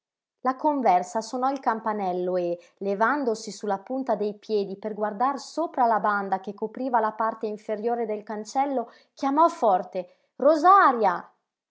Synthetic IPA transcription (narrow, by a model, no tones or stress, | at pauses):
lakoɱvɛrsasonɔilkampanɛlːoe | levand̪osisulːapunt̪ad̪ejpjɛːd̪iperɡward̪arsoːpɾalaband̪akekːopɾiːvalapart̪eiɱfeɾjoːɾed̪elkant͡ʃɛlːo | kjamɔfɔrt̪e | rozaɾja